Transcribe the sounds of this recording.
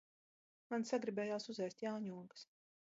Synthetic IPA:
mansaɡɾibʲɛːjaːsuzɛjst̪jaːɲuːɔɡə̥s

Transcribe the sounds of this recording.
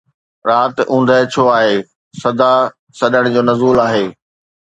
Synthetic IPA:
ɾaːt̪ũːn̆d̪ʱəɦt͡ɕʰoaːɦeː | sɐd̪ʱa | sɐɗəɽ̃d͡ʑoːnɐzuːlaːɦeː

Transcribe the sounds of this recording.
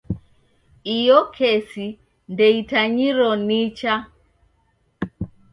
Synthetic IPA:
ijɔkʰɛsi | ndɛitaɲiɾɔnit͡ʃa

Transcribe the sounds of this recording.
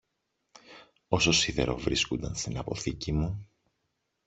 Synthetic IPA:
o̞so̞siðe̞̰ɾo̞̰vɾiskond̪ɐnst̪inɐpo̞θicimu

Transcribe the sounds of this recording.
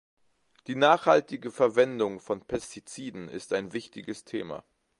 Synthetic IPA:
d̥iːnaːχhaltɪɡəfɛɐvɛndʊŋfɔnpʰɛstʰit͡siːdn̩ɪ̰staɪnvɪçtɪɡəstʰḛːma̰

